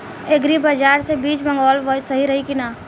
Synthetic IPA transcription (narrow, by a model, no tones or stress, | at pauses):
eɡɾibəd͡ʒaːɾsebiːt͡ʃbə̃ŋɡɔːlʋsəɦiɾəɦikina